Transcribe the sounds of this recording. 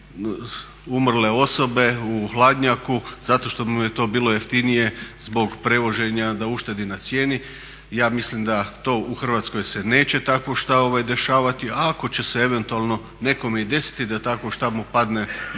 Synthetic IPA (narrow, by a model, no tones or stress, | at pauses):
umr̩le̞o̞so̞be̞uxlˠaːd̪ɲakuzat̪o̞ʃt̪o̞mjet̪o̞ːbiːlˠo̞jeft̪inije̞zbo̞ɡpɾe̞ʋo̞ʒe̞ɲad̪auʃt̪e̞d̪inat̪sje̞ːni | jaːmislimd̪at̪o̞ːʔuxr̩ʋaːt̪sko̞jse̞ne̞ːt͡ɕe̞t̪akʋoʃt̪ao̞ʋajd̪e̞ʃaːʋat̪iako̞t͡ɕe̞see̞ʋe̞nt̪uaːlˠno̞ | ne̞ko̞meid̪e̞si̥t̪id̪at̪akoʃt̪abmupad̪ne̞